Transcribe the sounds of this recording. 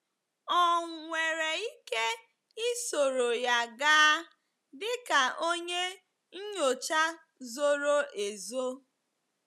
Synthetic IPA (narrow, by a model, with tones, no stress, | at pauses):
ɔ˨ŋʷe˨ɾe˨i˦ke˦ | i˦so˨ɾo˨ja˨ɡaː˦ | dɪ˦ka˨ʔo˦ɲe˦ | ɲ̩˦ɲo˨t͡ʃa˦ | zo˦ɾo˦e˨zo˦